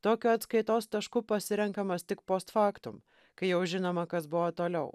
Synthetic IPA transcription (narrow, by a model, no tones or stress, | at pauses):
t̪oːkʲoːɐt̪skɐɪt̪oːst̪ɐʃkʊpɐsʲɪɾʲɛŋkɐmɐst̪ʲɪkpoːst̪fɑːkt̪ʊm | kɐɪjɛʊʒʲɪnoːmɐkɐsbʊʋot̪oːlʲɛʊ